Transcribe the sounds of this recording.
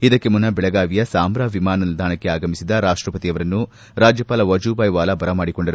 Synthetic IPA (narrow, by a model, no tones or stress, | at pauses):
id̪ɐkːemunːɐbɛɭɐɡaːʋijɐsaːmɾaːʋimaːnɐld̪aːɳɐkːeaːɡɐmisid̪ɐɾaːʂʈɾɐpɐt̪iɐʋɐɾɐnːu | ɾaːd͡ʒjɐpaːlɐʋɐd͡ʒuːbaːjʋaːlɐbɐɾɐmaːɽiko̞ɳɖɐɾu